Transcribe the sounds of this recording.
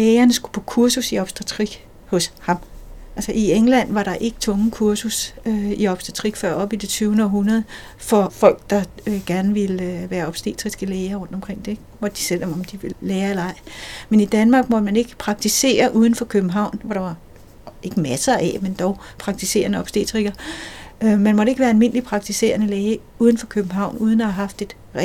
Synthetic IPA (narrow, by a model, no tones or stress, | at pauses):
leːɐnəsɡ̥u̥pʰɒ̽kʰuɐsusiɒ̽b̥sd̥ʁɑt͡sʰʁiɡ̥ | hɔ̽shɑ̈mʔælsɐʔieŋlæn̰ʋɑ̈ɾ̥ɑ̈ʔe̝ɡ̥ət͡sʰɔ̽ŋəkʰuɐsusøiɒ̽b̥sd̥ʁɑt͡sʰʁiɡ̥fɶɐ̰ɒ̽b̥id̥et͡sʰyːʊnəɒ̽ɦunɐð̞ˠ | fɒ̽fɒ̽l̰ɡ̥̚d̥ɑ̈ɡ̥æɐnəʋe̝lʋæːɐɒ̽b̥sd̥ḛːt͡sʰʁisɡ̥əleːɪɐʁɔ̽n̰d̥ɒ̽mkʰʁeŋ̰d̥e̝̥ | mɒ̽d̥ə̥d̥i̥sel̰ɒ̽mɒ̽md̥iʋe̝lleːɐelɐɑ̈ɪ̰menid̥ænmɑ̈ːɡ̥mɒ̽d̥əmæne̝ɡ̥əpʰʁɑ̈ɡ̥̚t͡sʰise̝̰ːɐʔuːð̞ˠn̩fɒ̽kʰøb̥m̩ɦɑ̈ʊ̰nʋɒɾ̥ɑ̈ʋɑ̈ | e̝ɡ̥əmæsɐæmend̥ɒʊpʰʁɑ̈ɡ̥̚t͡sʰise̝̰ːɐnəɒ̽b̥sd̥ḛt͡sʰʁiɡ̥ɐ | ømænmɒ̽ɾəe̝ɡ̥ʋæːɐælme̝n̰əlipʰʁɑ̈ɡ̥̚t͡sʰise̝̰ːɐnəleːɪə | uːðˠn̩fɒ̽kʰøb̥m̩ɦɑ̈ʊ̰nuːð̞ˠn̩ɒhɑɦɑ̈fd̥e̝d̥ | ʁ